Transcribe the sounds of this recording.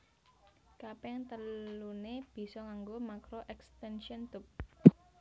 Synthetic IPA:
kapɛŋt̪əluneb̥i̤sɔŋaŋɡomakɾoʔɛkst̪ɛnʃiɔnt̪ʊp̚

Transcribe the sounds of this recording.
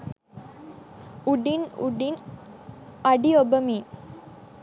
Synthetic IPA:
uɖinṵɖin | ɐɖiobəmiː

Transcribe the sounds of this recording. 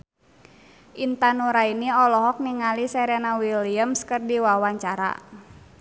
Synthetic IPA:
ʔint̪anuɾainiɔlɔɦɔk̚niŋalisɛɾɛnawiliəmskərdiwawaɲt͡ʃaɾa̰

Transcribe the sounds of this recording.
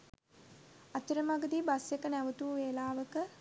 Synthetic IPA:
at̪uɾəmaɡəd̪iːbasjekənæʋət̪uːʋeːlaːʋəkə

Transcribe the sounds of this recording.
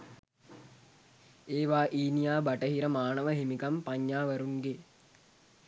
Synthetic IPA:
eːʋaːʔiːnijaːbaʈəɦiɾəmaːnəʋəɦimikampaɲːaːʋəɾuŋɡe

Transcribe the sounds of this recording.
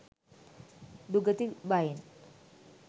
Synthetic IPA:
duɡət̪ibain

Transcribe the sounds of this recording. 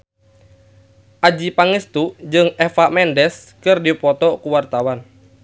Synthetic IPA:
ʔad͡ʒipaŋəst̪ud͡ʒɨŋɛfamɛndɛskɨrdipɔt̪ɔkuwart̪awan

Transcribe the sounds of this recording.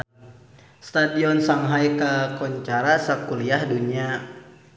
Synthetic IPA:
st̪adiɔnsaŋɦajkakɔɲt͡ʃaɾasakuliahduɲia

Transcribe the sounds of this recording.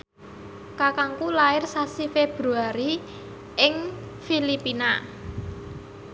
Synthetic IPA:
kakaŋkulaɪrsasifeb̥ɾuaɾi | ʔɪŋ | filipina

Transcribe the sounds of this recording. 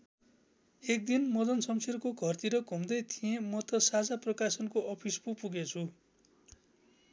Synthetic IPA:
ek̚d̪inmʌd̪ʌnsʌmserkoɡʱʌrt̪iɾʌkumd̪ʌjt̪ʰijẽmʌt̪ʌsad͡zaprʌkasʌnkoʔʌpʰispupuɡet͡sʰu

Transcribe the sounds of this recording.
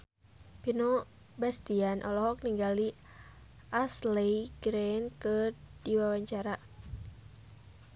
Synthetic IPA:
pino | bast̪ianʔɔlɔɦɔk̚niŋɡali | aslejɡɾɛnkɨrd̥iwawaɲt͡ʃaɾa

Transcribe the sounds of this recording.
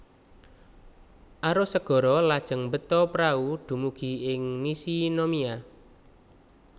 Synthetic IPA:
ʔaɾosəɡ̥ɔ̤ɾɔlad̥ʒ̥ə̤ŋmbət̪ɔpɾaud̪̥ṳmuɡ̥i̤ɪŋmisinomia

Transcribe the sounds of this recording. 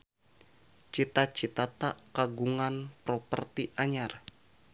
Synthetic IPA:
t͡ʃit̪at͡ʃit̪at̪aʔkaɡuŋanpɾopə̰rt̪iʔaɲar

